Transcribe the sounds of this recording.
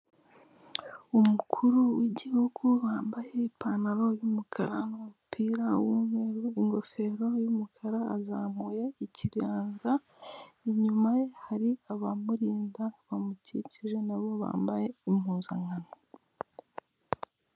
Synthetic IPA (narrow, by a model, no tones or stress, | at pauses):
umukʰuɾuwiɟihuɡuβaːmbaje̞ipanaɾo̞jumukʰaɾanumupʰiːɾawumeɾuiŋɡo̞fe̞ɾo̞jumukʰaɾaa̰zaːmuje̞iciɾjaːnza | iɲumaje̞haɾiaβamuɾiːndaβamuciciʒe̞naβo̞βa̰ːmbaje̞imhuːnza̰ŋano